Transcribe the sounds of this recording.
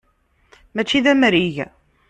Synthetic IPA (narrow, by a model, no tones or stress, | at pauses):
mæt͡ʃːiðæmɾiʝ